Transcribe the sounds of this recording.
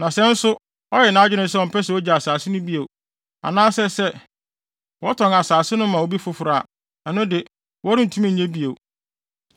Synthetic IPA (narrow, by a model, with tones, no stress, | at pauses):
nã˨sɛ̃˦n̩˦sʊ˦ | ɔ˦ɾɪ˨nãː˦d͡ʑᶣɪ˦nʊ̃˦sɛ˦ɔ˨m̩˨pʰɛ˦sɛ˨ɔ˦d͡ʑa˨a˨saː˨sɪ˦nʊ̃˦bi˦e˨ | a̰˨nãː˦sɛ˦sɛ˦ | wɔ˦tʰɔ̃˨ŋ˨a˨saː˨sɪ˦nʊ̃˦mã˨wo˦bi˦fʊ˦fʊ˨ɾa˨ | nã˨nʊ̃˦dɪ˨ | wɔ˦ɾɪ̃˦n̩˨tʰu˦mĩ˦˨ɲẽ˦bi˦e˨